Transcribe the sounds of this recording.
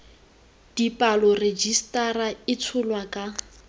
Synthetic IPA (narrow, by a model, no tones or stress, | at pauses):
d̥ipʼalɔred͡ʒistʼaraɪt͡sʰʊlwakʼa